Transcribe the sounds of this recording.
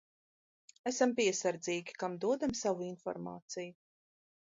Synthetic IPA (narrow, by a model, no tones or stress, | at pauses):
æsampiɛsaɾd̪ziːɡʲi̥kamd̪uɔd̪amsavuinfɔ̰ɾma̰ːt̪siju